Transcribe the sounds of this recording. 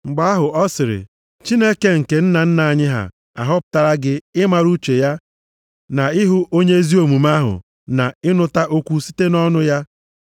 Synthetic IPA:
ŋ͡m̩˨ɡ͡ba˦a˦ɦʊ˨ɔ˦sɪ˨ɾɪ̰˨ | t͡ʃi˦ne˦ke˦ŋ̩˨ke˨n̩˦na˨n̩˦na˨a˨ɲɪ˦ɦa̰˨ | a˨ɦɔ˦pʊ̥˨ta˨ɾa˦ɡɪ˦ɪ˦ma˨ɾu˦t͡ʃe˨ja˦ | na˨ɪ˦ɦʊ˦ʔo˦ɲe˦zi˦o˨mu˨ma˦ɦʊ̰˨ | na̰˨ɪ˦nʊ˦ta˦ʔo˦kʷu˦si̥˦te˦nɔ˦nʊ˦ja˦

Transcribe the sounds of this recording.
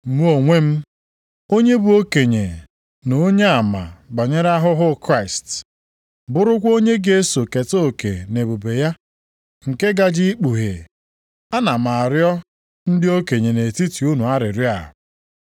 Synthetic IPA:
mu˦o˨ŋʷe˦m̩˦ | o˦ɲe˦bu˨o˦ke˨ɲe˨ | no˨˦ɲe˦a˨ma̰˨ɡ͡ba˨ɲe˦ɾa˦ɦʊ˦ɦʊ˦kɾa˦˨ɪ˨st | bʊ˦ɾʊ˦kʷo˦ɲe˦ɡe˦so˨ke˨to˦˨ke˨ne˨bo˨be˨ja˦ | ŋ̩˨ke˦ɡa˦d͡ʒi˦k͡pu˨ɦe˨ | a˦na˨ma˨ɾjɔ˦ | n̩˦dɪ˦o˦ke˨ɲe˨ne˨ti˦ti˨u˦nu˨a˦ɾɪ˨ɾɪ˦a̰˨

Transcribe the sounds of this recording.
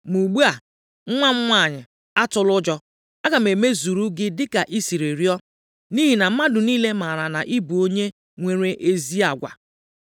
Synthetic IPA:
mu˨ɡ͡bu˦a˨ | ŋ̩˦ŋʷa˦ŋ͡m̩˦ŋʷa˦˨ɲɪ˨ | a˦tʊ˦lʊ˦d͡ʒɔ˦ | a˦ɡa˨m̩˨e˨me˦zu˨ɾu˦ɡɪ˦dɪ˦ka˨ʔi˦si˨ɾe˨ɾi˦ɔ˦ | ni˦ɦi˨na˨m̩˦ma˦dʊ˨niː˦le˦ma˨ɾa˨na˨ʔi˦bu˨o˦ɲe˦ | ŋʷe˨ɾe˦ʔe˦zi˦a˨ɡʷa̰˨

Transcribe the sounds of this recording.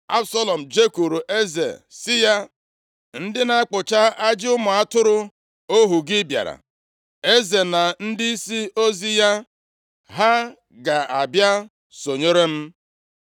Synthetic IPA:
a˦bsɔ˦lɔ˨m̩˨d͡ʒe˦ku˨ɾu˨ʔe˦zḛ˨sɪ˦ja˦ | n̩˦dɪ˦na˦k͡pʊ˨t͡ʃa˦a˦d͡ʒɪ˦ʊ˦mʊ˨a˦tʊ˦ɾʊ˦ | o˦ɦu˨ɡɪ˦bja̰˨ɾa̰˨ | e˦ze˨na˨n̩˦dɪ˦i˦si˦o˦zi˦ja˦ | ɦa˦ | ɡa˨a˨bja˦ | so˨ɲe˦ɾe˦m̩˦

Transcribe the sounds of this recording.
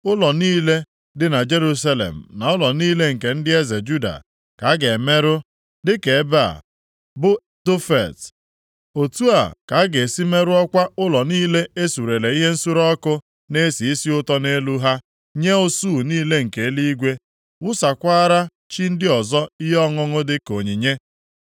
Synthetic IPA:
ʊ˦lɔ˨niː˦le˦ | dɪ˨na˨d͡ʒe˦ɾu˦sa˦lḛ˨m̩˨na˨ʊ˦lɔ˨niː˦le˦ŋ̩˨ke˨n̩˦dɪ˦e˦ze˨d͡ʒu˦da̰˨ | ka˨˦ɡe˨me˦ɾʊ˦ | dɪ˦ke˨e˦ba˦a̰˨ | bʊ˦ | do˦fḛ˨t | o˨tu˦a˨ka˨˦ɡe˨si˦me˦ɾʊ˦ɔ˦kʷa˦ʊ˦lɔ˨niː˦le˦e˦su˨ɾe˨le˨i˦ɦe˦n̩˦su˦ɾɔ˦kʊ˦ | ne˦si˨i˦si˦ʊ˦tɔ˦ne˦lu˦ɦa˦ | ɲe˦o˦su˦˨niː˦le˦ŋ̩˨ke˨˦li˦i˦ɡʷe˦ | wʊ˦sa˨kʷaː˦ɾa˦ | t͡ʃi˦n̩˦dɪ˦ɔ˨zɔ˦i˦ɦɔ˦ŋʊ˦ŋʊ˦dɪ˦ko˨ɲi˨ɲe˦

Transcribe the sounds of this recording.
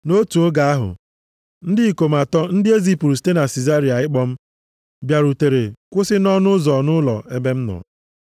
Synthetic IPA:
no˦tu˨o˦ɡa˨a˦ɦʊ̰˨ | n̩˦dɪ˦i˨ko˨ma˨tɔ˦n̩˦dɪ˦e˦zi˦pɾu˨ste˦na˨si˨za˦ɾi˨a˨ɪ˦k͡pɔ˦m̩˦ | bja˨ɾu˨te˨ɾe˨kʷʊ˦sɪ˦nɔ˦nʊ˦zɔ˨nʊ˦lɔ̰˨e˦be˦m̩˦nɔ̰˨

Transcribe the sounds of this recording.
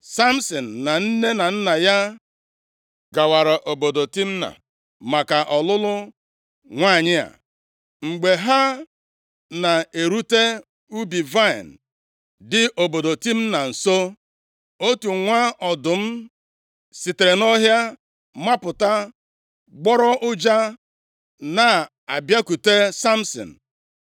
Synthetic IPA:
sa˦m̩˦sɔ˨n̩ː˨a˨n̩˦ne˦na˨n̩˦na˨ja˦ | ɡa˨wa˨ɾa˨ʔo˨bo˨do˨ti˦m̩˦na̰˨ | ma˨ka˨ʔɔ˨lʊ˦lʊ˦ | ŋʷaː˦˨ɲɪ˦a̰˨ | ŋ͡m̩˨ɡ͡be˨ɦa˦ | na˨e˨ɾu˦te˦ | u˦bi˨va˦ɪ̰˨n̩˨ | dɪ˨ʔo˨bo˨do˨ti˦m̩˦na˨n̩˨so˦ | o˦tu˨ŋʷa˦ɔ˨dʊ˨m̩˦ | si˨te˨ɾe˨nɔ˦ɦja˦ | ma˦pʊ˨ta˦ | ɡ͡bɔ˦ɾɔ˦ʔʊ˦d͡ʒa˦ | na˨ | a˨bja˦ku˨te˦sa˦m̩˦sɔ̰˨n̩˨

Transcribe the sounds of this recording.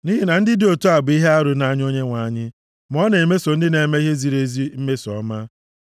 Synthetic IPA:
niː˦ɦi˦na˨n̩˦dɪ˦dɪ˦o˨to˦a˨bʊ˨i˦ɦe˦a˦ɾʊ˨na˦ɲ˦o˦ɲe˦ŋʷa˨˦ɲɪ˦ | m˨ɔ˦ne˨me˦so˨n̩˦dɪ˦ne˨me˦ɦe˦zi˨ɾe˨zi˦m̩˦me˦sɔ̰˨˦ma˦

